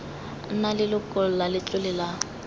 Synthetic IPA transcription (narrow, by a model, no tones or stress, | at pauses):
n̩nalɪlʊkʼʊl̩lalɪt͡ɬʼʊlɪla